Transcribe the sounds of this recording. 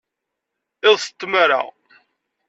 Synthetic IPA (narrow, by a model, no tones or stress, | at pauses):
ɪðˤsə̥t̪ːməɾa̰ʁ